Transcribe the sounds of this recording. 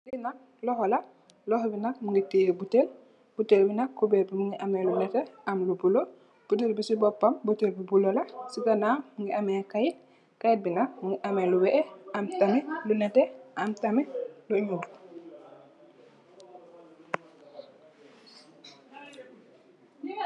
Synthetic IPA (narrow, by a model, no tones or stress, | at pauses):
linak̚ | lɔhɔla | lɔhbinak̚muŋɡitiebutel | b̥utelbinakkːubɛbimuŋɡiʔamɛlunɛtɛamlubulo | b̥utelbisibɔpːambutelbibulolasiɡanaːmuŋɡiamɛkaji | kajit̚binak̚muŋɡiʔamɛluwɛʔɛamtamilunɛtɛʔamtamiluɲudu